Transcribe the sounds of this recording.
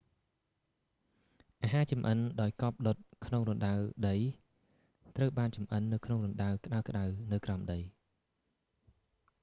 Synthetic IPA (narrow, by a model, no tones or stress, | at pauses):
ʔaːɦaːt͡ɕɑmʔənɗaɔjkɑːp̚ɗot̪̚kʰnoŋrunɗawɗəj | t̪rəwɓaːnt͡ɕɑmʔənːɨwkʰnoŋrunɗawkɗaəwkɗawnɨwkraɔmɗəj